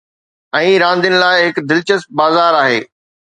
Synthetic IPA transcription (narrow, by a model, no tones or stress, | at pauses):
ɛ̃ːɾãːnd̪ɪənɪ̆laːɪɦɪkd̪ɪlt͡ɕəst̚baːzaːɾaːɦeː